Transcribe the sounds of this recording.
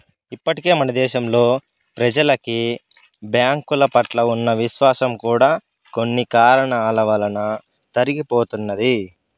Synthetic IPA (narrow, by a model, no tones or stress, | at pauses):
ipːɐʈike̞ːmɐnɐd̪ɛːʃɐmlo̞ː | pɾɐd͡ʒɐlɐki | bjaːŋkulɐpɐʈlɐunːɐʋiʃʋaːsɐmkuːɽaː | ko̞nːikaːɾɐɳɐːlɐʋɐlɐnɐ | t̪ɐɾiɡipo̞ːt̪unːɐd̪i